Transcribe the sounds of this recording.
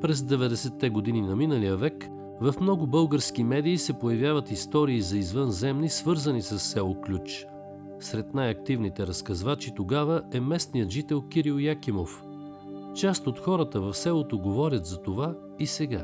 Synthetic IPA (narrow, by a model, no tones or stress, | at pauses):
pɾɛzd̪ɛvɛd̪ɛsɛt̪ːɛɡod̪ininɐminəlijəvɛk | vɐfmnɔɡʊbɤlˠɡəɾsk̟imɛd̪iːsɛpojɐvʲjavət̪ist̪ɔɾiːzɐizvɤnzɛmnisvɤɾzənisəsːɛlˠoklʲut͡ʃ | sɾɛt̪najɐk̚t̪ivnit̪ɛɾɐskɐzvat͡ʃit̪oɡavəʔɛmɛsnijət̪ʒit̪ɛlˠkiɾilˠjakimof | t͡ʃast̪ot̪xɔɾət̪əvɐfsɛlˠot̪oɡovɔɾʲət̪zɐt̪ova | isɛɡa